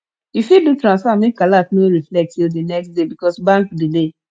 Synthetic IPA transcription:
ifidutɾãnsfamẽkalafnoɹiflɛk̚tildinɛkstdebikɔsbãŋkdile

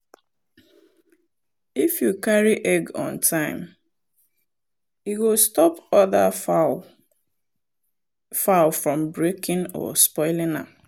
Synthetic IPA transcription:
ifjukaɾiʔɛɡɔ̰̃ntʰãɪ̃m | iɡostɔpɔða | falfɹɔ̃m̩bɾekɪ̃nɔ̰spɔɪlɪ̃na̰

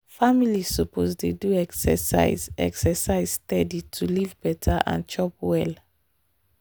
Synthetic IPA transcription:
familisɔpʰozdeduɛksɛsa̰ɪzɛ̰ksɛsaɪz̥stɛditʰulivbɛtʰaʔã̰nt͡ʃɔpwɛl

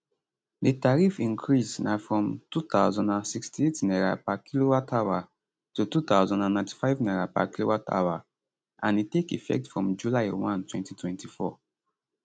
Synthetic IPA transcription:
ditaɹifĩŋkʰɹisnafɹɔ̃mtuθaʊzɔ̃ndãnsikstietnɛɹapakʰilowatʰawa | tutut̪aʊzɔ̃ndãnːãɪ̃ntʰi̥faɪvnɛɹapa̰kilowatʰa̰wa | ʔãnitekḭfɛ̰k̚tfɹɔ̃md͡ʒulaɪwãntwɛ̃ntitwɛ̃ntʰifɔ̰

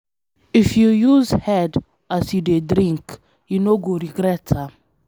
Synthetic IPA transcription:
ifjujuzhɛd | asjudedɾĩŋk | junoɡoɾiɡɾɛtʰa

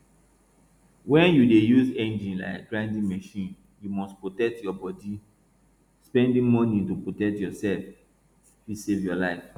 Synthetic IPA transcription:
wɛ̃njudejuzẽnd͡ʒĩnla̰ɪkɡ̥ɹãɪ̃ndĩŋmɛʃĩn | jumɔstpɹotɛk̚tjɔbɔdi | spɛ̃ndĩŋmɔnitupɹotɛk̚tjɔsɛlf | fisevjɔlaɪf

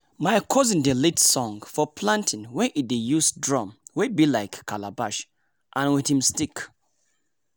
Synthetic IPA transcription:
maɪkʰɔzĩndelitsɔ̃ŋfɔpʰlãntʰĩnwɛ̃nʔidejusdɹɔ̃mwebilaɪkʰːalabaʃ | ʔãnwiθhĩmstik

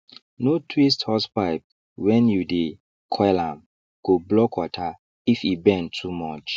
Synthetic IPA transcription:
notʰwis̬thɔspaɪp̚ | wɛ̃njude | kʰɔlãm | kublɔkwɔtʰa | ifibɛ̃ntʰumɔt͡ʃ

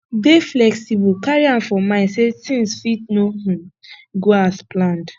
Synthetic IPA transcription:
beflɛksibukaɹiãmfɔmãɪ̃nsetĩŋsfit̚nohũɡoasplãnd

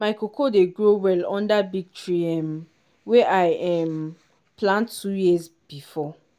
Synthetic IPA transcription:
maɪkokʰodeɡɹowɛlɔ̃ndabiɡ̚tʰɹiãm | wɛʔaɪʔɛm | pʰlãntʰːujiz | b̥ifɔ

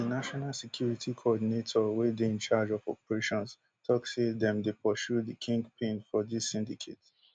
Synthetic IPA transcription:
dinaʃɔnalsekʰjuɹitʰikʰoɔdinetʰɔwedeɪ̃nt͡ʃad͡ʒɔfɔ̰pəɹeʃɔ̃ns | tʰɔksedɛ̃mdepʰɔʃudikʰĩŋɡpʰẽnfɔdisːĩndikʰḛt

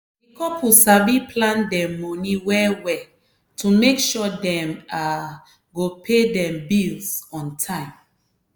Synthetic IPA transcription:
ikɔpʰusabipʰlãndɛ̃ːɔniwɛwɛ | tʰumekʃɔdɛ̃ma | ɡopʰedɛ̃mbilsɔ̃ntʰãɪ̃m

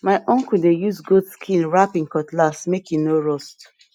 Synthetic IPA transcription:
maɪʔɔ̃ŋkudejusɡudskʰĩnɹapĩŋkɔtlasmekinoɹɔst

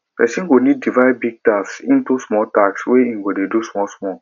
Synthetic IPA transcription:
pɛsĩnɡonid̚ːivaɪbiɡ̚tafsḭ̃ntusmɔltaksweĩŋɡodedusmɔlsmɔl

